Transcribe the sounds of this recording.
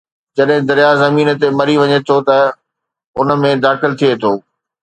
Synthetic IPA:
d͡ʑɐɗɦɪ̃d̪ɐɾjazɐmiːnt̪emɐɾiʋɐɲet̪ʰot̪ɐ | ʊnə̆mẽd̪aːxɪlt̪ʰiet̪ʰoː

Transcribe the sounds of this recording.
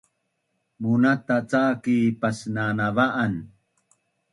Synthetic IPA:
munat̪at͡sakipasnanavaʔan

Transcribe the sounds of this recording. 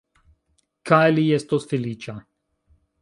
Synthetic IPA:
kajlijɛst̪osfilit͡ʃa

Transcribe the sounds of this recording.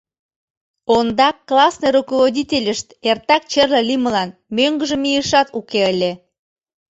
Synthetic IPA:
ond̪ɑkːlɑsneɾukoβodʲitʲelʲəʃt̪ert̪ɑk̚t͡ɕərləlʲimə̆lɑnmøŋɡə̆ʒə̆mijəʃɑt̪ukeəlʲe

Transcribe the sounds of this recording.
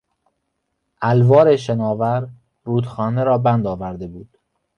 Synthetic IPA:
ʔælvɒːɾeʃenɒːvæɾ | ɾuːd̪xɒːneɾɒːbænd̪ɒːvæɾd̪e̞buːd̪̥

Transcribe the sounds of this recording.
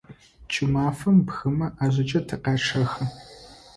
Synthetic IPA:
t͡ʃʼɪmaːfɐmbxɨmɐʔaːʑʷɐt͡ʃʼɐtʰɨqɑːʈ͡ʂʰɐxɨ

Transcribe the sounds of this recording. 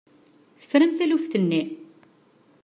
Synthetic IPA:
θə̥fɾæmθælufθənːi

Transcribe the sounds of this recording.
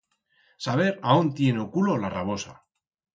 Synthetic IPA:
saβ̞e̞ɾaont̪je̞neokulo̞laraβ̞o̞sa̰

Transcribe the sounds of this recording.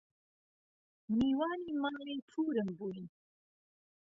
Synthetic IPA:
mniːwaːniːmaːliːtʰuːɾɨmbuːjin

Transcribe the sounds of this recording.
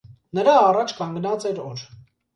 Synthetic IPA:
nəɾɑːrɑt͡ʃʰkɑŋɡnɑt͡sɛɾɔɾ

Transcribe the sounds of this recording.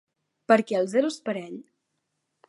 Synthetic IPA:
pəɾkɛəlˠzɛɾuspəɾɛʎ

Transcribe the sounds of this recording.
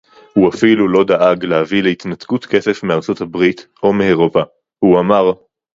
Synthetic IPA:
huafilulo̞daʔaɡlehavilehit̪nat̪ɡutke̞se̞fmeaʁt͡sothabʁit̪ʔo̞meeʁo̞pa | huamaʁ

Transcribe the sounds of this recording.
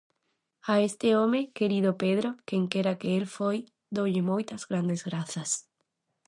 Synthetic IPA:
aest̪ɪomekeɾiðopeðɾokeŋkeɾakeelfoj | d̪owʎɪmojt̪ɐzɣɾand̪ezɣɾaθɐs

